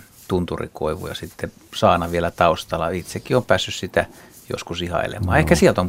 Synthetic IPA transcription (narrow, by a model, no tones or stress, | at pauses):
t̪unt̪urḭko̰iʋṵjɑ̰sit̪ːe | sɑːnɑʋielæt̪ɑust̪ɑlːɑit̪sekːiompæːsːyssit̪æ | jo̰skusihɑ̰ḭlḛmɑːehkæsielt̪om